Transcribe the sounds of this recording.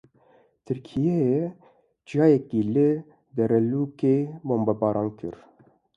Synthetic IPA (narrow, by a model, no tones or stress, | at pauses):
t̪ʰɨɾkʰijɛj | d͡ʒjɑːjɛkiːlɨ | d̪ɛɾɛluːkeboːmbɑbɑːɾʔɑːnkʰɨ̰ɾ